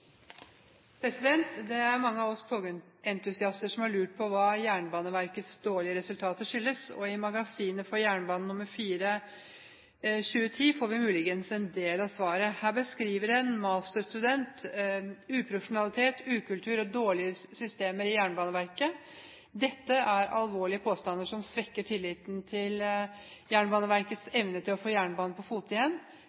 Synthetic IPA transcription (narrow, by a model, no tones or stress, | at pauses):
pʰɾɛsɪd̪ɛnt̪d̪ɛæɾmɑŋːəɑʋɔst̪ʰoːɡ | ɛnt̪ʉsɪɑst̪əʂɔmhɑɾɭʉːʈ̚pʰɔʋɑːjæːɳbɑːnəʋæɾkət̪sd̪oːɭɪəɾɛsʉlt̪ʰɑːt̪əʂʏlːəsɔ̰ɪmɑɡɑsiːnəfɔɾjæːɳbɑːnn̩ʊmːəɾfiːɾə | ɕʉːət̪ʰiːfoːɾʋɪmʉːlɪɡənsɛnd̪eːlɑʋsʋɑːɾəhæːbəskɾiːʋəɾɛnmɑːst̪əst̪ʉd̪ɛnt̪ | ʉːpʰɾʊfʂʊnɑlɪt̪ʰeːt̪ʰʉːkʉlt̪ʰʉːɾɔd̪oːɭɪəsʏst̪eːməɾɪjæːɳbɑːnəʋæɾkə | d̪ɛt̪ːəʔæɾɑlʋoːɭɪəpʰoːst̪ɑnd̪əʂɔmsʋɛkːəʈʰɪlːɪːt̪nt̪ʰɪljæːɳbɑːnəʋæɾkət̪sɛʋnət̪ʰɪlɔfoːjæːɳbɑːnəpʰɔfuːt̪ɪjɛn